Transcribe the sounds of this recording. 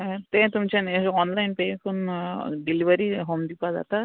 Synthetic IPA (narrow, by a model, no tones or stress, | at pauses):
t̪ẽt̪umt͡ʃʰeneɔnlajnpekʰunɖilibʱaɾiɦomd̪ipaza̰t̪a